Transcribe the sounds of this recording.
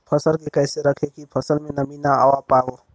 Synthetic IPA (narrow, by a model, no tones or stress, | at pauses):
pʰəsəlkekəjseɾəkʰekipʰəsəlmẽnəminaa̰wapaːɡo